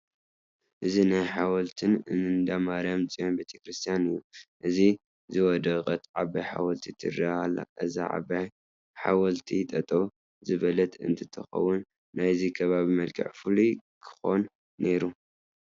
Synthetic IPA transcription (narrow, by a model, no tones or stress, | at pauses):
ʔɨzinajħawɐlt̪ʰɨnɨnɨnd̪amaɾamt͡sʼijonbet̪ʰekɾɨst̪ʰijanɨjːuʔɨzi | zɨwɔd̪ɐɣʼɐt̪ʕabajħa̰wɐlt̪ʰit̪ʰɨrahalːa̰ʔɨza̰ʕa̰baj | ħa̰wɐlt̪ʰit̪ʼɐt̪ʼɐw | zɨβɐlɐt̪ɨ̰nt̪ʰɨt̪ʰɐxɐ̰wunː | ajzikʰɐβaβimɐlkʰɨ̰ʕfɨlikʰɨ̥xo̞nː | e̞ɾu